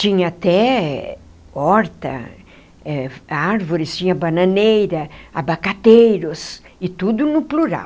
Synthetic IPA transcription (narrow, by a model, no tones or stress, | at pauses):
t͡ʃĩɲɐat̪ɛ | ɔɾt̪ɐ̰ | ɛaɾvoɾɪst͡ʃĩɲɐbɐnɐ̃nejɾɐabakat̪ejɾʊs | ɪt̪ud̪ʊnʊpluɾa̰w